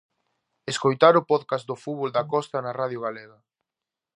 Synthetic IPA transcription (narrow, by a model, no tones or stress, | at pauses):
eskojt̪aɾʊpɔðkasd̪ʊfuβold̪ɐkɔst̪ɐnɐraðjʊɣ̞aleɣɐ